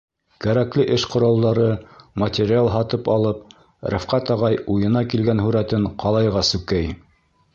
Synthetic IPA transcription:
kæɾæklɘʔɘʃqŏɾɑlˠd̪ɑɾɤmɐtʲɪɾʲɪalˠɦɑt̪ɤpɑlˠɤp̚ | ɾæfqɑt̪ɑʁɑjujɤ̆nɑkilɡænɦʉɾæt̪ɘɴqʰɑlˠɑjʁɑsʉkæj

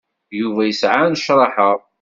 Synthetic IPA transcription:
juvæjəsʕanʃɾˤɑħəʁ

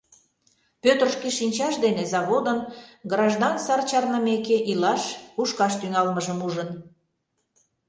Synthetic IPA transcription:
pøt̪ərʃkiʃinʲt͡ɕɑʃd̪enezɑβod̪ənɡrɑʒd̪ɑnsɑrt͡ɕɑrnəmekeʔilɑʃuʃkɑʃt̪yŋɑlməʒəmuʒən

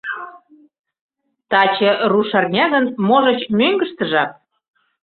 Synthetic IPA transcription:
t̪ɑt͡ɕĕruʃɑrnʲɑɣə̆nmoʒɤ̆t͡ɕmøŋɡə̆ʃt̪ə̆ʒɑk̚

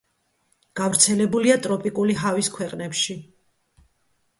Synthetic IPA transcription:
ɡ̥avɾt̪sʰɛlɛbuliat̪ʼɾɔpʼikʼuliɦaviskʰwɛqʼnɛpʃi

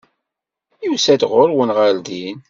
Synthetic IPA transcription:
jusæd̪ʁʊɾwənʁald̪in

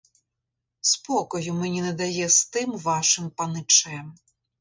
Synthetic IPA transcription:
spɔkɔjʊmɛnʲinɛd̪ajɛst̪ɪmʋaʃɨmpanɪt͡ʂɛɛm

